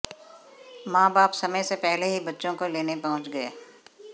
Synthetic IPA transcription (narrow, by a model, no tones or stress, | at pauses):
mãːbaːpsɐməjsepɛɦleɦibɐtːʃõkoleːnepɐɦʊ̃t͡ʃɡɐeː